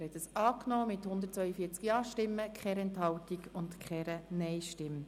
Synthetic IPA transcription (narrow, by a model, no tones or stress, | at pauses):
ɛɾhɛt̪əsɑːknɔːmɪthʊnd̪əɾtt͡sʋœʏəfiːət͡skjɑːʃtɪmːəkχɛɾɛnthɑwtiɡʊntkχɛɾənɛɪʃtɪmː